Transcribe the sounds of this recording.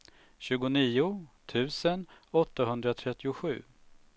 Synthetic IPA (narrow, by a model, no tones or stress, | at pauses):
ɕʉ̟ːɡʊniːʊt̪ʰʉ̟ːsənɔt̪ːaɦɵnd̪ɾat̪ʰɾɛt̪ːɪʊɧʉ̟̰ː